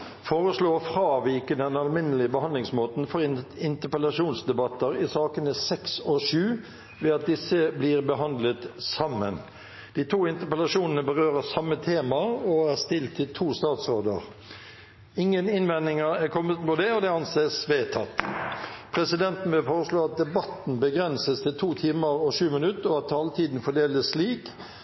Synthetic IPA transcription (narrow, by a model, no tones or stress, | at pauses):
foːʁəsloːfɾɑːʋiːkəd̪ɛnɑlmɪnːəlɪəbəhɑnd̪lɪŋsmoːt̪n̩fɔɾɪnt̪əpəlɑʂuːnsd̪ɛbɑt̪ːəɾɪsɑːkənəsɛksɔʂʉː | ʋɛːɑt̪̚d̪ɪsːəbliːʁbəɦɑnd̪lət̪sɑmːən | d̪̥iːt̪ʰuːɪnt̪əpɛlɑʂuːnənəbəʁøːɾəsɑmːət̪ʰeːmɑɔæʁst̪ɪlt̪ʰːɪlt̪ʰuːst̪ɑːt̪sʁoːd̪ə̰ʁ | ɪŋːənɪnʋɛnɪŋəɾækʰɔmːət̪mʊd̪ɛɔd̪ɛɑnseːsʋeːt̪ʰɑt̪ː | pʰʁɾɛsɪd̪ɛnt̪n̩ʋɪlfoːʁəʂloːɑt̪̚d̪ɛbɑt̪n̩bəɡɾɛnsəst̪ʰɪlt̪ʰuːt̪ʰiːməɾɔʂʉːmɪnʉt̪ːɔɑt̪̚t̪ʰːɑːlt̪ʰiːd̪n̩fɔɖeːləsliːk